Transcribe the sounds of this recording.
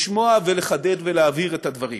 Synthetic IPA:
ʃmo̞aveleχade̞dve̞leaviʁet̪had̪vaʁḭ

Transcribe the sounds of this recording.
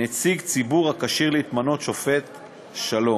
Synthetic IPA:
et͡siɡt͡sibuʁakaʃiʁleːt̪mano̞t̪ʃo̞fe̞t̪ | ʃalo̞

